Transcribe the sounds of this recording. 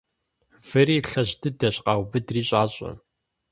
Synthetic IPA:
v̥ɨriːɬɐʑdɨdɐɕqɑːwbɨdriːɕʼaːɕʼɐ̰

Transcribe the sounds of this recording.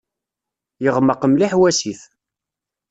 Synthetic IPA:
jəʁməqəmliħwæsiθ

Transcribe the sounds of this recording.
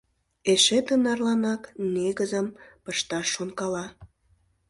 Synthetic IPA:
eʃet̪ənɑrlɑnɑkneɣəzəmpəʃt̪ɑʃːonkɑlɑ

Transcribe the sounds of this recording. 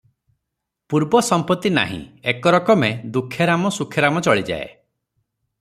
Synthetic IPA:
puɾbɔsɔmpɔt̪ːina̰ɦḭ̃ekɔɾɔkɔmed̪ukʰːjɔɾamɔsukʰeɾamɔt͡ʃɔɭid͡ʒa̰ḛ

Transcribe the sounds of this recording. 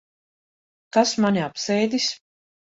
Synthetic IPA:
k̪asmanʲiapsɛjd̪ʲis

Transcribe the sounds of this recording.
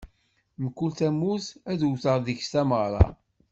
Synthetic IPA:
məkːult̪æmːuθæðwθəʁðiçst̪æməʁɾˤɑ̰

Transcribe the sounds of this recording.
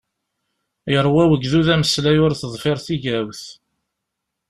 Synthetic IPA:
jəɾˤwæwəɡðuðæməslæjʊɾθəðˤfɪɾˤθiʝæwθ

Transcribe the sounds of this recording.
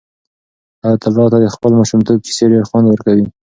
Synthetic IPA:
at̪alːɑt̪ad̪əxpəlmɑʃʊmt̪ob̚ki̥seɖeɾxwand̪wəɾkawi

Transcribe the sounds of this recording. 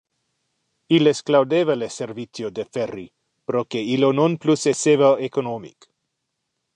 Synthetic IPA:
ilesklawd̪evaleseɾvit͡sjod̪eferi | pɾokeilononplusesevaekonomḭk

